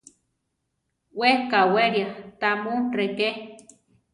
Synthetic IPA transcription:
wekaweɾjat̪amureke

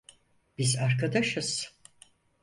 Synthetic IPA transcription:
b̥izaɾkad̪aʃɯz̥

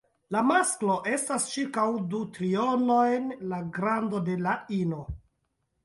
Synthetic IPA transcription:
lamasklo̞ʔe̞stast͡ʃiɾkawdutɾio̞no̞jnlaɡɾando̞de̞laino

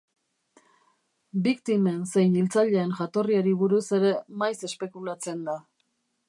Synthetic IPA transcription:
bikt̪ime̞nse̞jnilt͡saʎe̞ːnʝat̪o̞riaɾiβ̞uɾuse̞ɾe̞majse̞spe̞kulat͡se̞nd̪a

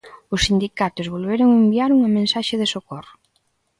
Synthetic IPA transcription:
ʊsːind̪ikat̪ozβolβ̞eɾoŋembiaɾuŋamẽnsaʃeðesokɔro

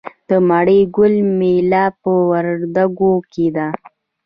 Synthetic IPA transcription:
d̪̥əmaɽəjɡʊlmelɑpəwaɾd̪aɡoked̪a

